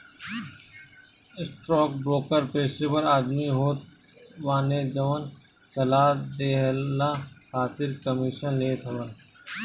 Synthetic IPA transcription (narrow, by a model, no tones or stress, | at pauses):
ɪsʈɾɔːk̚bɾoːkəɾpeːʃepəɾaːd̪miɦoːt̪ | ʋaːned͡ʒɐʋən | sɐlaːd̪eːɦlaxaːt̪ɪɾkəmɪʃənleːt̪ʰɐʋə